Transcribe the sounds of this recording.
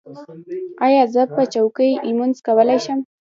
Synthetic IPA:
ɑjɑzəpət͡ʃawkəjimunzkawəlajʃəm

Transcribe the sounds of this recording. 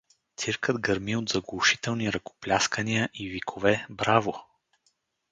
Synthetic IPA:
t̪siɾkəd̪ɡəɾmiod̪zɐɡlˠʊʃi̥t̪ɛlˠniɾɐko̥plʲaskəniəʔivikʰovɛbɾavo

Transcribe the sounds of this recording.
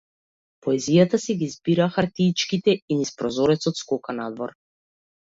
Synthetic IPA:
pɔɛzijat̪asɛɡizbiɾaxaɾt̪it͡ʃkit̪ɛinispɾɔzɔɾɛt̪sɔt̪skɔkanad̪vɔɾ

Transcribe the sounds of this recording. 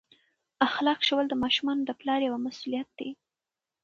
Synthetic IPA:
axlɑkʃəwəld̪əmɑʃumɑnod̪əplɑɾjawamasulijat̪̚d̪̥e

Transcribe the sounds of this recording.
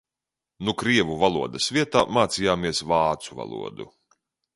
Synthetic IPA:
nukɾiɛvuvalˠuɔd̪ɐsvʲiɛt̪aːmaːt̪sijaːmiɛsvɑːt̪suva̰lˠṵɔd̪ṵ

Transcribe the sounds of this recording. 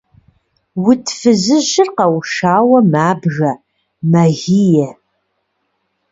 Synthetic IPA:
wʊtʰfɨzɨʒɪrqɐwʃaːwɐmaːbʒɐ | mɐɣijɛ

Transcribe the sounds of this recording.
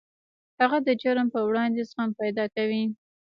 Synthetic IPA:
haɣad̪əd͡ʒaɾəmpəwɽɑnd̪esəxampajd̪ɑkawi

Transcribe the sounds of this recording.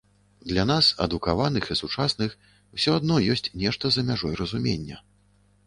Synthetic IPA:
d̪lʲanasɐ̰d̪ukavanɨxisut͡ʂasnɨx | wsʲɔad̪nɔjɔsʲt͡sʲnʲɛʂt̪ɐzɐmʲaʐɔjɾɐzumʲḛnʲːɐ̰

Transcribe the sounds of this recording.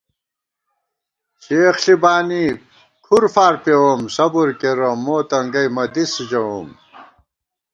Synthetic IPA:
ɕeːxɬibaːni | kʰuɾfaːɾpewomsɐbuɾkeɾɐmːoːt̪ɐŋɡɐjmɐd̪isd͡ʑɐwom

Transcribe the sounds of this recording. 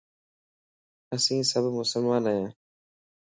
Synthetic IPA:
əsĩːsəbʱmʊsəlmãːnəjãː

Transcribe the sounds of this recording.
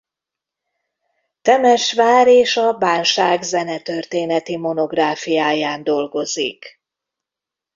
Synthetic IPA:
t̪ɛmɛʃʋaːɾeːʃɒbaːnʃaːɡzɛnɛt̪ørt̪eːnɛt̪imo̞no̞ɡraːfijaːjaːnd̪o̞lɡo̞zḭk

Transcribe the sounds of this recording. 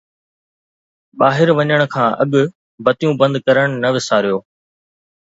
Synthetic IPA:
ɓaːɦɪɾʋɐɲəɽ̃ʊ̆kʰãːʔɐ̰ɠʊ | bɐt̪ijũbɐ̃nd̪kɐɾəɽ̃nɐʋɪsaːɾijoː

